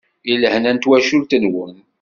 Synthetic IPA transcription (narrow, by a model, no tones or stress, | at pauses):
iləhnænt̪wæʃʊɾt̪ənwən